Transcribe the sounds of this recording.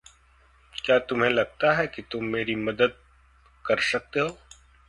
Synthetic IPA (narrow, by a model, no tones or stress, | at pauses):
kjaːt̪ʊmɦẽlɐɡ̚t̪aɦɛkit̪ʊmːeːɾimɐd̪əd̪̚ | kɐɾsɐk̚t̪eɦoː